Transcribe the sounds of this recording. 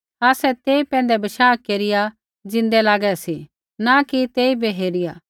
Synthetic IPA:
aːsɛt̪eːipɛ̃ːn̆d̪ɛbɐʃaːkeːɾɪja | d͡ʒɪ̃nd̪ɛlaːɡɛsi | nakit̪eːibʱiɦeːɾɪjaː

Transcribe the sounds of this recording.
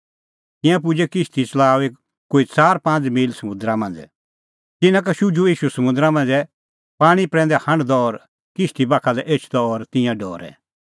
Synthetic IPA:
t̪ɪ̃jãp̬ʊd͡ʒɛkɪʃt̪it͡sɐlaːoeːk | kːoit͡saːɾpãːnd͡zmiːlsɐmʊ̃nd̪ɾamɐ̃nd͡zɛ | t̪ɪnãk̬ɐʃud͡ʒuiːʃusɐmʊ̃nd̪ɾamɐ̃nd͡zɛ | paːɽ̃ipɾɛ̃ːnd̪ɛhɐ̃ɽd̪ɔːɾ | kɪʃt̪ibakʰalɛʔeːt͡ʃʰd̪ɔɔɾt̪ɪ̃jãɖɔːɾɛ̰

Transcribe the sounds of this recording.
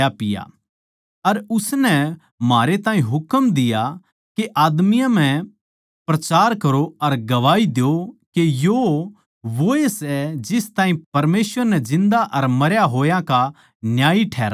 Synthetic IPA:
apɪja̰ | ɐɾʊsnɛ | maːɾet̪ãːĩɦʊkəmd̪ɪja | keʔaːd̪mɪjãm̤ɛ̃ | pɾɐt͡ʃaːɾkɐɾoɐɾɡɐʋaːid̪ejokejo | ʋoesɛd͡ʒɪst̪ãːĩpɐɾmeːsʋəɾnɛd͡ʒɪ̃nd̪aʔɐɾmɐɾjaɦoːjãka | njaːiʈʰɛːɾa

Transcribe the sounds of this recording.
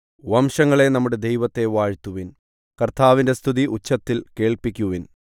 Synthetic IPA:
ʋɐmʂɐŋːɐɭe̞nɐmːuɽe̞d̪ejʋɐt̪ːe̞ʋaːɻt̪ːuʋin | kɐrt̪ʰaːʋinde̞st̪ʰuðiʔut͡ɕːɐt̪ːilke̞ːɭpikʲːuʋin

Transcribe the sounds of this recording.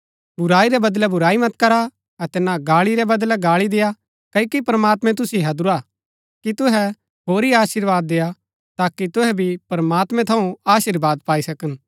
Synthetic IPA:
bʱʊɾaːiɾɛbɐd̪lɛbʱʊɾaːimɐt̪kɐɾa | ɐt̪ɛnaɡaːɭiɾɛbɐd̪lɛɡaːɭid̪eja | kɐikipɐɾmaːt̪mɛ̃t̪̬ʊsiɦɐd̪ʊɾa | kit̪ʊɦɛ | ɦoːɾiaːʃɪɾʋaːd̪ːeja | t̪aːkit̪ʊɦɛbʱipɐɾmaːt̪mɛ̃t̪ʰɐ̃ũaːʃiɾbaːd̪paːisɐkən

